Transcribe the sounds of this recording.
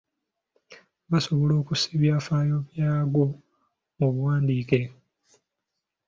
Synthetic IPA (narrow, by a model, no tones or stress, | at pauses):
βaso̞βo̞lo̞ːkusiβjaːfaːjo̞βjaːɡo̞ | oβuwaːndiːke̞